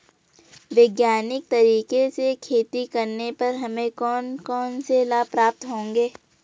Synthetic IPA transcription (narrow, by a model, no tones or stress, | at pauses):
ʋeɡjaːnɪk̚t̪ɐɾiːkesekʰeːt̪ikɐɾnepɐɾɦɐmẽkɔːnkɔːnselaːpɾaːp̚t̪ɦõːŋɡeː